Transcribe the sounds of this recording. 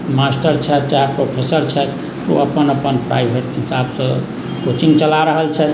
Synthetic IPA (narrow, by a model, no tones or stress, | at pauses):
masʈəɾt͡ʃʰɛt̪t͡ʃaɾpɾopʰesəɾt͡ʃʰɛt̪ | t̪o̰əpənəpənpɾa̰jbʱeʈɦisabsə̃ | kot͡ʃiŋɡt͡ʃəlaɾəɦəlt͡ʃʰɛt̪